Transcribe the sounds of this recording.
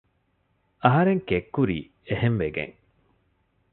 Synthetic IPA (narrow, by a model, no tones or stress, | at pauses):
ɐɦɐɾeŋkekːuɾiː | ehemʋeɡḛ̃ŋ